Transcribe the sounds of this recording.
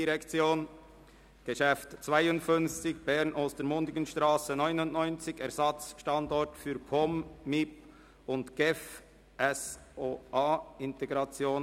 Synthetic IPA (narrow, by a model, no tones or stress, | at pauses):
iʁɛkt͡sjoːn | ɡ̥əʃɛftt͡svaɪʊntfʏnft͡sɪçb̥ɛɾnʔostəɾmʊndɪɡənʃtʁaːsənɔʏnʊndnɔʏnt͡sɪçɛɾzɑt͡sʃtɑndɔɾtfyːɾpʰɔmːip | ʊndɡ̥ɛf | ʔɛsʔoʔaːɪnteɡɾɑt͡sjoːn